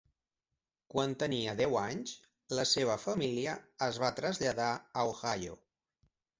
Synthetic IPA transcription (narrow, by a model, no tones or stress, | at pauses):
kwant̪əniəðɛwaɲs | ləseβ̞əfəmiliəːzβ̞at̪ɾəzʎəðaəoxajo̰